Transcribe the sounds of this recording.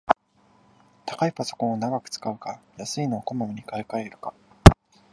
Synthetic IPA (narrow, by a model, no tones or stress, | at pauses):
t̪ḁkaipaso̞̥kõɰ̃onaɡakɯ̟̥t͡sɨ̥kaɯ̟kajasɨinoːko̞mamiɲ̟ikaekaeɾɯ̟ka